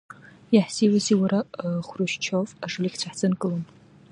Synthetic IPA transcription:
jaħsiwasiwaɾaχʷruʃt͡ʃʰofaʂɨlikʰʲt͡ɕʷʰaħt͡sʰʼɨnkʼɨlon

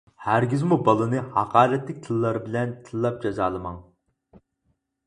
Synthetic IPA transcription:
hæɾɡʲizmubɑlˠɨnɨhɑqʰɑːɾɛt̪lɪk̚ʲt̪ʰɨlˠːɑɾɨbɪlɛnt̪ʰɨlˠːɑp̚d͡ʒɑzɑːlˠɨmɑŋ

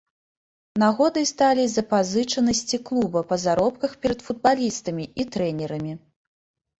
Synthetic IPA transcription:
naɣɔd̪ɨjst̪alʲizɐpazɨt͡ʂɐnɐsʲt͡sʲiklˠubɐpɐzaɾɔp̚kɐxpʲɛɾɐt̪fud̪̚balʲist̪ɐmʲiit̪ɾɛnʲɛɾɐmʲi

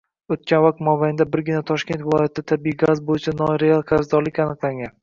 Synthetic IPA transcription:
ot̪̚kʲanvaq̚t̪mɒbajɪnd̪abɪɾɡʲɪnat̪ʰɒʃkʲe̞nt̪vɪlˠɒjat̪ɪd̪at̪ʰabiiɡazbojɪt͡ʃʰanɒɾealˠɡʰaɾzd̪ɒɾlɪkʲanɨqlˠaŋɡʲan

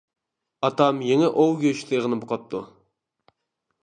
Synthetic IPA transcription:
ɑt̪ɑmjeŋɛʔowɡʲøʃt̪ʰeʁənɨboqʰɑp̚t̪ʰːu

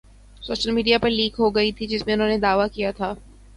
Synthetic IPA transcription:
soːʃəlmiːɖijapɐɾliːkɦoɡɐit̪ʰid͡ʒɪsmẽʊnɦõːned̪aːʋakijat̪ʰaː

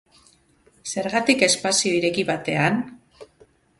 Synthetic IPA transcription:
se̞ɾɣat̪ike̞spasio̞iɾe̞kiβat̪e̞an

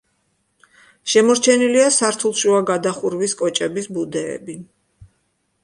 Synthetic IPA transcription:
ʃɛmɔɾt͡ʃʰɛniliasaɾt̪ʰulˠʃuaɡad̪aχuɾviskʼɔt͡ʃʼɛbisbud̪ɛɛ̰bi

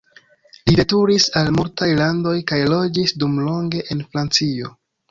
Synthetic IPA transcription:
lide̞tuɾisalmultajlando̞jkajlo̞d͡ʒisdumlo̞ŋɡe̞ʔenfɾant͡sio̞

